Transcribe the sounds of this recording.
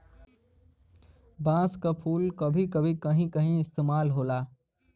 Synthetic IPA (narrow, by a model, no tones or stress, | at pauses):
bãːskapʰuːlkɐbʱikɐbʱĩkɐɦĩkɐɦĩɪst̪eːmaːlɦoːlaː